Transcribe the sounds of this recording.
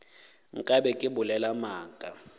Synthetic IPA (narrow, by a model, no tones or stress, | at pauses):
ŋ̩kʼabɛkʼɪbʊlɛlamaːkʼa